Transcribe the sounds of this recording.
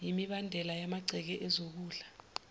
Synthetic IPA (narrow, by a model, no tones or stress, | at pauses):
jimiɓandʱɛlajamaɡ͡ǀʱɛk̬ɛʔɛzok̬uːɮa